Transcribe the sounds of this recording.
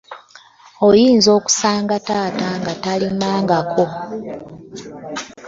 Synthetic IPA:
ojiːnzo̞ːku̥saːŋɡataːtaŋɡatalimaːŋɡakʰo

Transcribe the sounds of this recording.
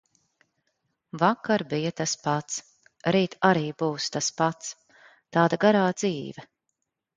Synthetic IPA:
vakaɾbijat̪aspat̪s | ɾiːt̪aɾiːbuːst̪aspat̪s | t̪aːd̪aɡaɾaːd̪z̥iːvɛ

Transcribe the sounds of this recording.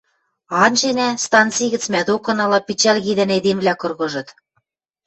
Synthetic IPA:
ɑnt͡ɕenæst̪ɑnt͡siɣɘ̆t͡smæd̪okɤ̆nɑlɑpit͡ɕælɣid̪ɘ̆ned̪emvlʲækɤ̆rɣɤ̆ʒɤ̆t̪

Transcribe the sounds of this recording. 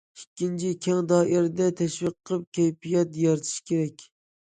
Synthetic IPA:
ikʲʰːint͡ʃʰikʲʰɛŋd̪ɑːʔɪɾɪd̪ɛt̪ʰɛʃwiqʰːəp̚kʲʰɛjpijɛt̪jɑɾt̪ʰi̥ʃkʲeɾɛkʲ

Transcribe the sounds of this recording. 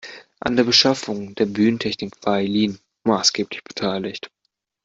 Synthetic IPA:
ʔa̰ndeːɐbəʃafʊŋdeːɐbyːnəntʰɛçnɪkv̥aːɐɛliːn | maːsɡ̥eːplɪçb̥ə̥tʰaɪlɪçt

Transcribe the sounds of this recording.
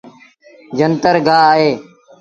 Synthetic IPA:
d͡ʒənt̪əɾɡaːaːɦeː

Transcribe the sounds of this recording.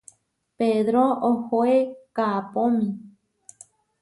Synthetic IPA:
peðɾoohoekaapõmĩ

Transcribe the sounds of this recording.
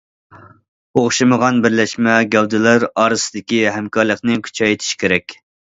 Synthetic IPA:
oχʃɨməʁɑnbɪɾlɛʃmɛɡʲɛld̪ɪlæɾɑːɾɨsɨd̪ɪkʲiɦɛmkʰɑɾlˠəqnɨkʲʰy̥t͡ʃʰɑjet̪ʰɪ̥ʃkʲeɾɛkʲ

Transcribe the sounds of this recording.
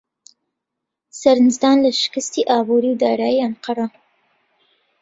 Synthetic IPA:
saɾnzd̪ɑːnlaʃɪ̥kəst̪iʔɑbuɾiwd̪ɑːɾɑːjiamqɑɾɑ

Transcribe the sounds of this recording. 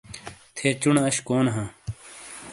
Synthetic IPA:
t̪ʰeːt͡ɕuɳɐɕkoːnɦãː

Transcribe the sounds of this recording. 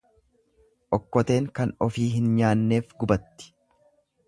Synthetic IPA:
ʔɔkːɔt̪e̞ːŋkɐnɔfiːɦɪnɲaːnːe̞ːfɡʊbɐt̪ːɪ̥

